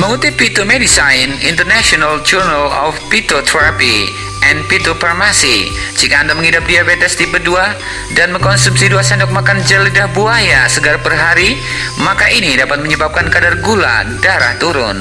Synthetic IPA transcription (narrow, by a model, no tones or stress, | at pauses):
məŋut̪ɪpːit̪omedisajnḭnt̪ərnasiɔnald͡ʒurnalɔ̰fpit̪ot̪ʰɛɾapi | ʔɛnpit̪oparmasi | d͡ʒikaːndaməŋidap̚diabetɛsdipədua | danməŋkɔnsumsiduasɛndɔk̚makand͡ʒələdahbuajasəɡaɾapərɦaɾi | makaʔinidapat̪̚məɲəbap̚kankadarɡula̰daɾa̰ht̪uɾʊn